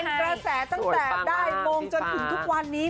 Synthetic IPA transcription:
kɾa˧sɛː˩˦t̪a˥˩ŋt̪ɛː˨˩daː˥˩jmoː˧ŋt͡ɕo˧nt̪ʰɯ˩˦ŋt̪ʰu˦˥k̚wa˧nːiː˦˥

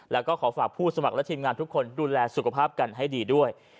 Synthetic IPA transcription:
lɛː˦˥wkɔː˥˩kʰɔː˩˦faː˨˩k̚pʰuː˥˩sa˧ma˨˩lɛ˦˥t̪ʰiː˧mŋaː˧nt̪ʰu˦˥kʰːo˧nduː˧lɛː˧su˨˩kʰa˧pʰaː˥˩p̚ka˧nɦa˥˩jdiː˧du˥˩əj

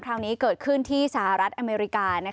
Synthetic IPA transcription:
kʰɾaː˦˧˥ŋniː˦˥kɤː˨˩t̪̚kʰɯ˥˩nt̪ʰiː˥˩sa˧ha˨˩ɾa˦˥t̪̚ʔa˧meː˧ɾi˦˥kaː˧na˦˥

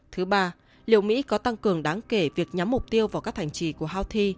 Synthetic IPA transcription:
t̪ʰɨ˨˦ɓaː˧ | lḭ˧˨əwmḭ˧˥kɔ˨˦t̪a˧ŋkɨ˨˩əŋɗaː˨˦ŋke˧˩vi˨˩ək̚ɲa˨˦mːʊ˨˩k͡p̚t̪i˧əwvaː˨˩wkaː˦˥k̚hʰa˧˩ŋ̟t͡ɕḭ˧˨˦ku˧˩əɦaː˧wt̪ʰi˧

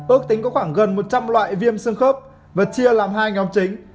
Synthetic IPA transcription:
ʔɨ˦˥ək̚t̪ï˨˦ŋ̟kɔ˨˦xwaː˧˩ŋɣə˨˩nmo˨˩t̚t͡ɕa˧mlwa̰ː˧˨jvi˧əmsɨ˧əŋxəː˦˥p̚ | vaː˨˩t̚t͡ɕi˧əlaː˨˩mɦaː˧jŋɔ˨˦mt͡ɕï˨˦ŋ̟

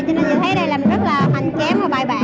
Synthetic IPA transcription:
t͡ɕɨ˧nə˨˧˩zɨ̰˧˩t̪ʰe˨˦˥ɗə˧jlaː˨˩m˨˩nzə˦˥t̚laː˨˩ma˧˩jŋkɛ˨˦mvaː˨˧˩ɓaː˨˩jɓa̰ː˧˨

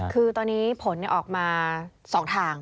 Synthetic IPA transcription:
kʰɯː˧t̪ɔː˧nːiː˦˥pʰo˩˦nːi˧˩ʔɔː˨˩k̚maː˧ | sɔː˩˦ŋt̪ʰaː˧ŋ

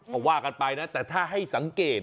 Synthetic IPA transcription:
kɔ˨˩waː˥˩ka˧npa˧jna˦˥t̪ɛː˨˩t̪ʰaː˥˩ɦa˥˩jsa˩˦ŋkeː˨˩t̪̚

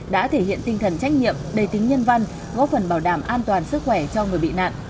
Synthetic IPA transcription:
ɗa̰ː˧˥t̪ʰe˧˩hḭ˧˨ənt̪ï˧ŋt̪ʰə˨˩nt͡ɕa˦˥jk̟̚ɲḭ˧˨əmɗə˨˧˩jt̪ï˨˦ŋ̟ɲə˧nva˧ŋ | kɔ˨˦fə˨˩nɓaː˧˩wɗaː˧˩mʔaː˧nt̪waː˨˩nsɨ˦˥k̚xwɛ˧˩t͡ɕɔ˧ŋɨ˨˩əjɓḭ˧˨na̰ː˧˨nʔ

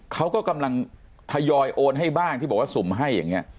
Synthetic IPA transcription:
kʰa˦˥wkɔː˥˩ka˧mla˧ŋ | t̪ʰa˧jɔː˧jʔoː˧nɦa˥˩jbaː˥˩ŋt̪ʰi˥˩bɔː˨˩kwa˥˩su˩˦mɦa˥˩jːa̰˨˩ŋːi˦˥ɐ

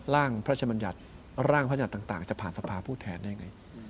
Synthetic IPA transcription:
laː˥˩ŋpʰɾt͡ɕʰa˧ba˧nja̰˨˩t̪̚ | ɾaː˥˩ŋpʰːja˨˩t̪ːaː˨˩ŋt̪aː˨˩ŋt͡ɕa˨˩pʰaː˨˩nsa˧pʰaː˧pʰuː˥˩t̪ʰɛː˧nda˦˥˩jŋa˧j

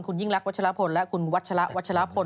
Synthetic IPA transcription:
nkʰu˧nji˥˩ŋɾa˦˥k̚wa˦˥t̚t͡ɕʰa˧ɾa˦˥pʰo˧nlɛ˦˥ʔkʰu˧nwa˦˥t̪̚t͡ɕʰa˧ɾa˦˥ʔwa˦t̪̚t͡ɕʰa˧ɾa˦˥pʰo˧n

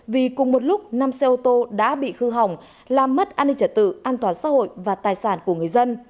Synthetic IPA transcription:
vi˨˩kʊ˨˩ŋ͡mmo˨˩t̚lʊ˦˥k͡p̚naː˧mse˧ʔo˧t̪o˧ɗa̰ː˧˥ɓḭ˧˨xɨ˧ɦa˨˩wŋ͡m | laː˨˩mːə˦˥t̚ʔaː˧nï˧ŋt͡ɕə˨˧˩t̚t̪ɨ̰˧˨ʔaː˧nt̪waː˨˩nsa̰ː˧˥ho̰˧˨jvaː˨˩t̪aː˨˩jsaː˧˩nku˧˩əŋɨ˨˩əjzə˧n

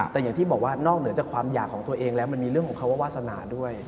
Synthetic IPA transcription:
t̪ɛː˨˩ja˨˩ŋt̪ʰiː˥˩bɔː˨˩k̚waː˥˩nɔː˥˩k̚nɯ˩˦ət͡ɕa˨˩kʰwaː˧mjaː˨˩kʰːɔː˩˦ŋt̪u˧ɐʔeː˧ŋlɛː˦˥wma˧nmiː˧ɾɯ˥˩əŋʰɔː˩˦ŋkʰa˥wa˥˩waː˥˩t̪̚sa˧na̰ː˨˩˦du˥˩əj

